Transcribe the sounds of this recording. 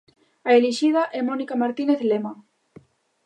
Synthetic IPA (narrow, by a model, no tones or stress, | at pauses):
aeleʃiðɐʔɛmɔnikamaɾt̪ineθlema